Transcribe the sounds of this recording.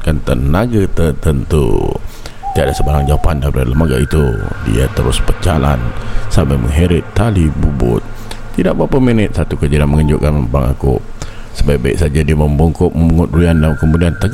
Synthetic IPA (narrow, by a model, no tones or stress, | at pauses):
kant̪ənaɡət̪ərt̪ənt̪ṵ | t̪iaʔdasəbaɾaŋd͡ʒawapandabəɾaləmaɡa̰ʔit̪ṵdḭa̰t̪əɾʊ̰spət͡ʃala̰nsampajmə̰ŋɦeɾɪt̪ːalibubʊ̰t̪̚ː | idaʔ̚bapəmenɪt̪̚sat̪ukəd͡ʒiɾanməŋəɲd͡ʒʊʔkanbaŋa̰kʊ̰ | səbajbaḭksad͡ʒadiaməmbɔŋkʊʔ̚məmuŋʊt̪̚ɾuandamkəmudiant̪əɡ